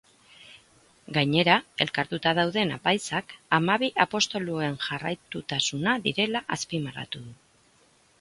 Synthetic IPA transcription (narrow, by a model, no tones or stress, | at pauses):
ɡajɲe̞ɾae̞lkaɾt̪ut̪að̞awðe̞napajsakamaβiʔapo̞st̪o̞lue̞nʝarajt̪ut̪asunaðiɾe̞laʔaspimara̰t̪uðu